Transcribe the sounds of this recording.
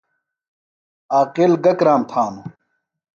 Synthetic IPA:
aːqilɡɐkɾaːmt̪ʰaːnu

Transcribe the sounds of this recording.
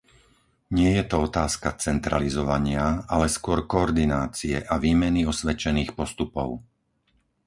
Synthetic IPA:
ɲɪɛjɛt̪ɔɔt̪aːskat͡sɛnt̪ɾa̰lizɔʋaɲɪaalɛskʊɔɾkɔɔɾd̪inaːt͡siɛ̰ʔaʋiːmɛniɔsʋɛt͡ʃɛniːxpɔst̪upɔʊ

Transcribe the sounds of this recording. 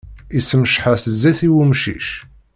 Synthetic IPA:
isːəməʃħasəzːæθiwumʃḭʃ

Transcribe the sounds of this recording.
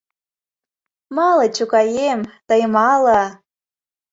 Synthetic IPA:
mɑlɤt͡ɕukɑjemt̪əjəmɑlɑ

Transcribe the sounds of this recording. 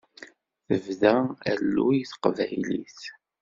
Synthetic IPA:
θəvðæælːujiθə̥qvæjlḭθ

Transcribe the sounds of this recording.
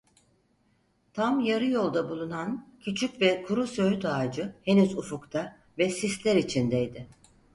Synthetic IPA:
t̪ʰamjaɾɯjo̞lˠd̪abulˠunancʰyt͡ʃʰycvɛkʰuɾusøyt̪aːd͡ʒɯhe̞nyzufukt̪ʰa | vɛsislʲɛɾit͡ʃʰind̪ɛjd̪ɪ

